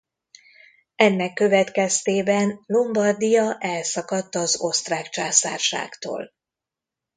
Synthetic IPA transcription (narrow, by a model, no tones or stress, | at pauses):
ɛnːɛkːø̞vɛt̪kɛst̪eːbɛnlombɒrd̪ijɒʔɛlsɒkɒt̪ːɒzo̞st̪raːkt͡ʃaːsaːrʃa̰ːkt̪o̰ːl